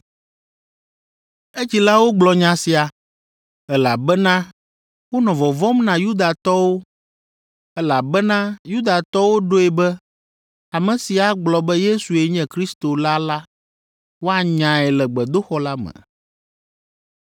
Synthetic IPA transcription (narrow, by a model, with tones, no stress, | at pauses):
e˦t͡ɕi˨la˦wo˦ɡ͡blɔ˨ɲã˨si˨a˨ | ɛ˦la˨bɛ˦nã˦ | wo˦nɔ̃˨vɔ˨vɔ˦mnã˨ju˦d̪a˨t̪ɔ˦wo˦ | ɛ˦la˨bɛ˦nã˦ju˦d̪a˨t̪ɔ˦wo˦ɖo˦ɛ˨bɛ˦ | a˨mɛ̃˨si˨a˦ɡ͡blɔ˨bɛ˦je˦su˨e˨ɲɛ̃˦kɾi˦st̪o˨la˦la˦ | wo˦a˨ɲã˨ɛ˨lɛ˨ɡ͡bɛ˨d̪o˦xɔ˦la˦mɛ̰̃˨